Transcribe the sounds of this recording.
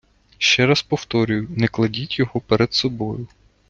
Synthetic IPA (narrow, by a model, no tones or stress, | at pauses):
ʃt͡ʃɛɾaspɔwt̪ɔɾʲʊjʊnɛklˠɐdʲitʲjɔɦɔpɛɾɛd̪sɔbɔjʊ